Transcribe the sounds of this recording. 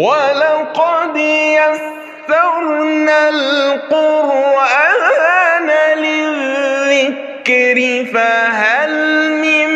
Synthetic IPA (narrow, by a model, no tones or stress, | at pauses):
walaqɑd̪jas | tɑɾnalqʊɾʔaanalɪðɪk | ɾɪfaɦalmɪm